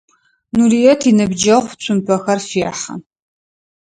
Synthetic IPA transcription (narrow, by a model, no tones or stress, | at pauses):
nuɾijɛtʰinɨbd͡ʒɐʁʷt͡ɕʷʰʼʊmpʰɐxɐrfeħɐ̰